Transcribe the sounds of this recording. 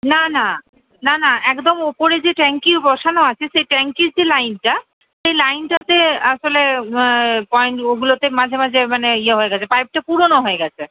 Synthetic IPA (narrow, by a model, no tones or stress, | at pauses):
nana | nanaɛkd̪omopoɾed͡ʑeʈɛŋkiɾbɔʃanoat͡ɕʰeʃejʈɛŋkiɾd͡ʑelajnʈa | ʃejlajnʈat̪eaʃole | pɔjɳʈoɡulot̪emad͡ʑʱemad͡ʑʱemaneieɦoeɡɛt͡ɕʰepajp̚ʈapuɾonoɦoeɡɛt͡ɕʰe